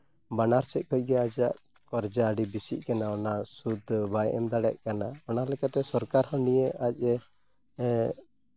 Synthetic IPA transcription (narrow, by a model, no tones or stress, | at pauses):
banaɾsɛʔ̚kɔc̚ˀɡɛad͡ʒaʔ | kɔɾd͡ʒaːɖibisiʔkanaɔnasud̪ʱbajɛ̰md̪aɽɛʔkanaɔnalɛkat̪ɛsɔɾkaɾhɔnijəac̚ˀɛ